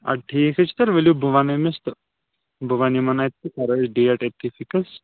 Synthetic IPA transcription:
ɐ̰ʈʰiːkʰɐt͡ʃʰi̥t̪ɐɾʋelubʱuʋanɐmist̪ | bʱuʋanimɐnat̪ːikɐɾɐt͡ʃɖiɐʈet̪ːifikɐs

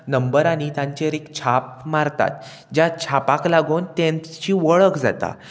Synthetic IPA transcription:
nəmbəɾañit̪ãɲt͡ɕeɾekt͡ɕʰap̚maɾt̪a̰t̪̚ | d͡ʑjat͡ɕʰapaklaɡuːnt̪ẽnt͡ɕiːʋəɭəkd͡za̰t̪a̰

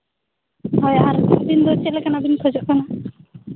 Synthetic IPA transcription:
ɦɔjaɾb̪ind̪ɔt͡ʃelekanabinkʰɔd͡ʒɔʔkana

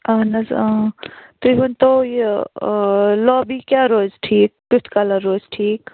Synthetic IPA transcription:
anɐz | t̪uɦunt̪oj | lɔːbikjaɾoːzʈʰiːk̚t̪ut̪ʰkalaɾoːzʈʰiːk

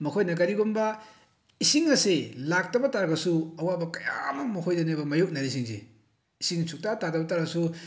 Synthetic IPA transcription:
mɐkʰojnɐkɐɾiɡombɐ | isiŋɐselak̚tɐbɐtaɾɡɐsuɐwabɐkɐja̰mɐmɐkʰojdɐnebɐmɐjok̚naɾis̬iŋzḛ | isiŋsʰuk̚tatatɐbɐtaɾɡɐsu

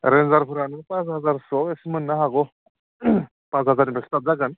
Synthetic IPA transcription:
ɾenzaɾpʰuɾanɯpãsɦazaɾsɔeksimɯnːaɦaɡɔ | pãt͡sɦazaɾnibekst̪atzaɡan

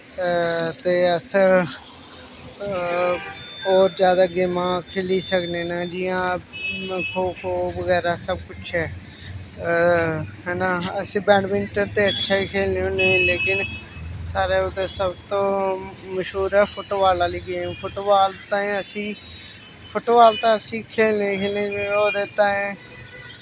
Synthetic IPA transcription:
t̪eːəs | oːɾd͡ʒjaːd̪aːɡeːmãːkʰeːliːsəkneːnaːd͡ʒɪjãː | kʰoːkʰoːʋəɡɛːɾaːsəbkʊt͡ʃʰɛː | ɦɛːnaəsĩːbɛ̃ːɖmɪnʈəɾt̪eːəʈːʃʰaːiːkʰeːlneːõːnəĩːleːkɪnsaːɾeːʊt̪ẽːsəbt̪õːməʃɦuːɾɛːpʰoːʈoːʋaːlaːliːɡeːmpʰoːʈoːʋaːlt̪ãːẽəsĩː | pʰoːʈoːʋaːlt̪ãːəsĩːkʰeːlnekʰeːlnẽːoːɾeːt̪ãːẽː

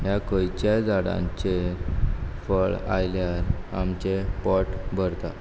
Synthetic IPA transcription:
ɦjakəjt͡ɕajd͡zaɽã̰ɲt͡ɕe | fəɭa̰jljaɾa̰mt͡ɕepɔʈbʱəɾt̪a

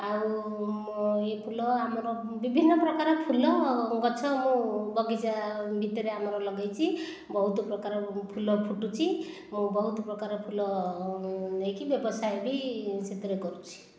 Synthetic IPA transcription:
au | epʰulɔamɔɾɔ | bibʱinːʌprʌkaɾɔpʰulːɔɡʌt͡sʰʌmũbʌɡid͡zabʱit̪eɾeamʌɾɔlʌɡajt͡sʰi | bʌɦut̪oprʌkaɾpʰulɔpʰuʈːut͡sʰi | mũbʌɦut̪ɔprʌkaɾpʰulɔ | ekibjʌbʌsajbiset̪ɾeɡɔɾut͡sʰi̥

